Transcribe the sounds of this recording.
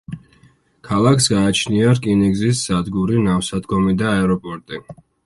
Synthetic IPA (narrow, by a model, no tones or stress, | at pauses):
kʰalˠakʰsɡaːt͡ʃʰniaɾkʼiniɡzisːad̪ɡuɾinafsad̪ɡɔmid̪aɛɾɔpʼɔɾt̪ʼi